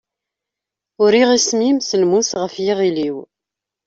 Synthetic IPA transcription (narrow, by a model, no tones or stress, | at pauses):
ʊɾiʁismimsəlmuθʁəfjiʁiliw